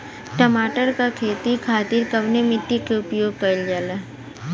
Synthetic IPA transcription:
ʈəmaːʈəɾkakʰeːt̪ikʰaːt̪iɾkɐʋnemɪʈ̪ːikeʊpjoːɡ̚kɐɾld͡ʒaːla

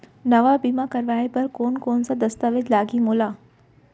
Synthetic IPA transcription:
nɐʋabiːmakɐɾʋaːepɐɾkoːnkoːnsad̪ɐst̪aʋed̪laːɡimoːlaː

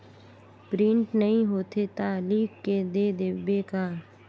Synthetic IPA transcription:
pɾɪ̃ɳʈnɐɦĩɦoːt̪et̪aːliːkked̪ed̪eʋːekaː

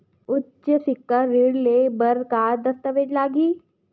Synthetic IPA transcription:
ʊtːt͡ʃəsɪkːəɾiɽlebəɾkaːd̪əst̪əʋeːʈlaːɡiː

